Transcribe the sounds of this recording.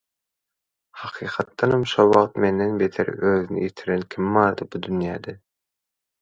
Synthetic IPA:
hɑqʰiːqʰɑt̪ːɑnɑmʃowɑqt̪mend̪enbet̪ʰeɾ̰øːðynḭjet̪ʰiɾenkʲʰimmɑːɾd̪ɯbud̪ynjæːd̪ɛ

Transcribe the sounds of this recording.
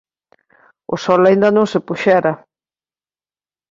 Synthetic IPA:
ʊ̰sɔlaind̪ɐnõŋsɪpuʃɛɾa

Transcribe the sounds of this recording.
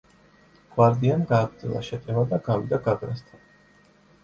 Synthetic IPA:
ɡ̥waɾd̪ianɡaːɡɾd̪zɛ̰lˠa̰ʃɛt̪ʼɛvad̪aɡavid̪aɡaɡɾast̪ʰan

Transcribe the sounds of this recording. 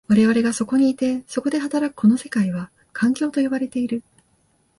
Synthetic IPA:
βaɾe̞β̞aɾe̞ɡaso̞ko̞ɲ̟iːt̪e̞so̞ko̞d̪e̞ɦat̪aɾakɯ̟̥kʰo̞no̞se̞̥kaiβ̞a | kʰãŋkʲo̞ːt̪o̞joβaɾe̞t̪e̞iɾɯ̟

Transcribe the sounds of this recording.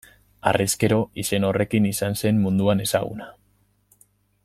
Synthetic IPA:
a̰riske̞ɾo̞ʔise̞no̞re̞kinisanse̞mmund̪uane̞saɣ̞ṵna

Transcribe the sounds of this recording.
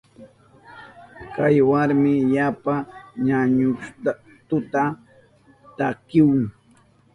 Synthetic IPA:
kajwaɾmɪʎapaɲaɲʊʃt̪a | t̪ʊt̪a | t̪akɪwʊŋ

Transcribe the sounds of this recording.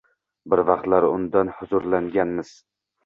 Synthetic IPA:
bɪɾvɑqt̪laɾʊ̰nd̪anhʊzʊɾlaŋɡʲanmɪz̥

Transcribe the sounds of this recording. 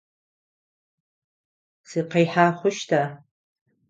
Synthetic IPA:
siqejħaːχʷʊʃtʰa

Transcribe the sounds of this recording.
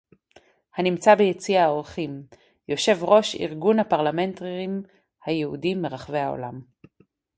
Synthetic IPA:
hanimt͡sabejet͡siao̞ʁχim | jo̞ʃe̞vʁo̞ʃḭʁɡunhapaʁlament̪ʁim | hajehudimeʁaχve̞jhao̰lam

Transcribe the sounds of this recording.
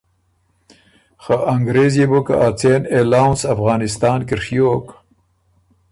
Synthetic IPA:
xaʔaŋɡɾezjeboka̰ʔat͡seːnelawnsɐfɣɑːnɪst̪aːnkiɾʂijok

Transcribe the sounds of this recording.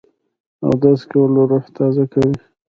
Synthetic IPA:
a̰wd̪ɑskawloɾoht̪ɑzakawi

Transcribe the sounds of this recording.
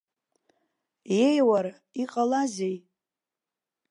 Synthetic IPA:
jejwaɾ | iqʼalazej

